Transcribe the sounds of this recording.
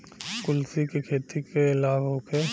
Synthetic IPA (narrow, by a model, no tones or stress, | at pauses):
kʊlsikikʰeːt̪ikeɪlaːbɦoːkʰe